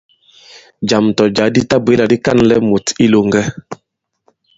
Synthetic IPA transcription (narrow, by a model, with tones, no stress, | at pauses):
d͡ʒa˨mtɔ˨d͡ʒa˨˦di˦ta˦be˨˦la˨di˦ka˦˨nlɛ˦mo˨ti˦lo˦ŋɡɛ˦